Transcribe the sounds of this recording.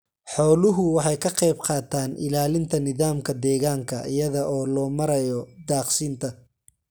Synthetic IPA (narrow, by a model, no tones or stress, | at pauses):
ħɔːlʊɦʊwɑħɑjkʰɐqɛjbqɑːt̪ʰaːnʔɪ̰laːlɪnt̪ʰɐnɪðaːmkʰɐd̪ɛːɣaːŋkʰɐʔɪ̰jɐðɐʔɔːlɔːmɐɾɐjɔd̪aːqsiːnt̪ʰɐ